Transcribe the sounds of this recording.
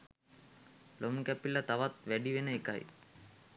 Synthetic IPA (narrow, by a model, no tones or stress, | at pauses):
lomkæpilət̪aʋat̪ʋæɖiʋenəeka̰j̰